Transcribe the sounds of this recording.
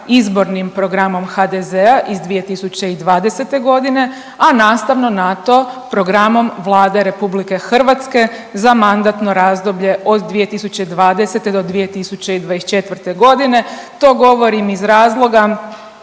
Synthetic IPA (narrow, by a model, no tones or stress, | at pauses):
izbo̞ɾnimpɾo̞ɡɾamo̞mxad̪ezeaʔizd̪ʋije̞t̪isut͡ɕe̞id̪ʋaːd̪e̞se̞t̪e̞ɡo̞d̪ine̞ | anaːst̪aʋno̞nat̪o̞pɾo̞ɡɾamo̞mʋlˠaːd̪eɾe̞publike̞xr̩ʋat̪ske̞ | zamand̪at̪no̞ɾaːzd̪o̞bʎe̞ʔo̞d̪d̪ʋije̞t̪isut͡ɕeid̪ʋaːd̪ese̞t̪ed̪od̪ʋije̞t̪isut͡ɕe̞id̪ʋaest͡ʃe̞t̪ʋər̩t̪e̞ɡo̞d̪ine̞t̪o̞ːɡo̞ʋo̞ɾimizɾaːzlˠo̞ɡa